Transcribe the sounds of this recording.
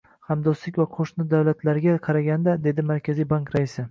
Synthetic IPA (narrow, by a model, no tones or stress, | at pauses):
hamd̪ɒslɪkʲvaqʰoʃnɪd̪avlat̪laɾɡʲaqʰɑɾaɡʲand̪ad̪e̞d̪ɪmaɾkʲazijbaŋkɾaɪsɪ